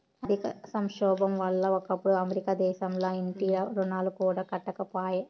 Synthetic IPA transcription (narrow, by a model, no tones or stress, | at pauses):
ɐd̪ʱikɐsɐŋʃɔːbɐmʋɐlːɐɔkɐpːuɽuɐmeɾikaːd̪ɛːʃɐmloːiɳʈiɐɾunaːlukuːɽaːkɐʈːɐkɐpaːje